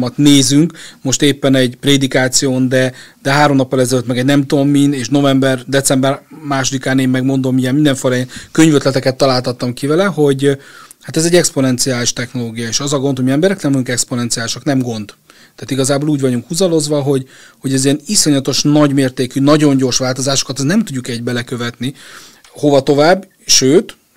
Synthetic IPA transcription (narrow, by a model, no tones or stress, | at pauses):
mɒt̪neːzyŋkmo̞ʃt̪eːpːɛnɛɟpreːd̪ikaːt̪sijoːnd̪ɛd̪ɛɦaːɾomnɒpːɒlɛzɛløt̪mɛɡɛɟnɛmt̪o̞mːineːʃno̞vɛmbɛrd̪ɛt̪sɛmbɛrmaːʃod̪ikaːneːmːɛɡmo̞nd̪o̞mijɛmind̪ɛɱfolɒjɛnkø̞ɲvøt̪lɛt̪ɛkɛt̪ːɒlaːlt̪ɒt̪ːɒmkivɛlɛɦo̞ɟhat̪ɛzɛɟːɛkspo̞nɛnt̪sijaːliʃt̪ɛxno̞loːɡijɒeːʃɒzɒɡo̞nhomiɛmbɛɾɛknɛmvɒjuŋkɛksponɛnt̪siaːliʃɒknɛmɡo̞nd̪t̪ːaːt̪iɡɒzaːboluːɟvɒɟuŋkhuzɒlo̞zʋɒɦo̞ɟho̞ɟɛziɛniso̞ɲɒt̪o̞ʃnɒɟmeːrt̪eːkynɒɟo̞ɲɟo̞rʃʋaːlt̪o̞zaːʃo̥kɒt̪ɛsnɛmt̪uɟːukɛɟ̚bɛlɛkøvɛt̪ni | ho̞vɒt̪o̞vaːbː | ʃøːt̪